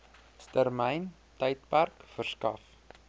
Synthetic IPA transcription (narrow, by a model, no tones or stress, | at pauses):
stərmɛjn | təjt̚pærkfərskɐf